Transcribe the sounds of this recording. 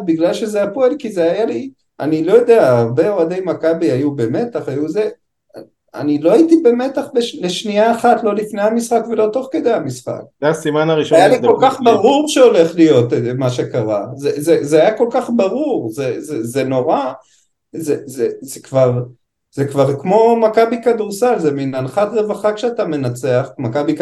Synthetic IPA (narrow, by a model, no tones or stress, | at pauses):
biɡlalʃezejapoelkizeajali | a̰nilo̞jo̞d̪eaːʁbe̞oad̪ejmakabiajube̞me̞t̪aχajuze | a̰nilo̞ajitibe̞me̞taχbeʃleʃniaːχatlo̞lifnejhamisχakve̞lo̞t̪o̞χke̞d̪e̞jamisχa̰k̚zeasimanaʁiʃajaliko̞lkaχbaʁuʁʃeo̞le̞χlijo̞t̪emaʃe̞kaʁazezezeajako̞lkaχbaʁuʁzezezeno̞ʁa | zezezekvaʁ | z̥ekvaʁkmo̞makabikad̪uʁsalzeminanχatʁe̞vaχakʃeatame̞nat͡se̞aχmakabik